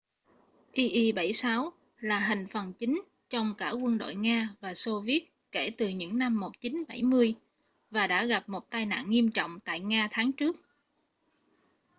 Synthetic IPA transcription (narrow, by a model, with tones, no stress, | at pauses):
ʔi˧ʔi˧ɓa˧˩jsaː˨˦w | laː˨˩ɦï˨˩ŋ̟fə˨˩nt͡ɕi˨˦ŋ̟ | t͡ɕɔ˧wŋ͡mkaː˧˩kwə˧nɗo̰˧˨jŋaː˧vaː˨˩so˧vi˦˥ət̚ke˧˩t̪ɨ˨˩ɲɨ̰˧˥ŋna˧mːo˨˩t̚t͡ɕi˨˦nɓa˧˩jmɨ˧əj | vaː˨˩ɗa̰ː˧˥ɣa˨˩p̚mo˨˩t̚t̪aː˧jna̰ː˧˨nŋi˧əmt͡ɕɔ̰˧˨wŋ͡mt̪a̰ː˧˨jŋaː˧t̪ʰaː˨˦ŋt͡ɕɨ˦˥ək̚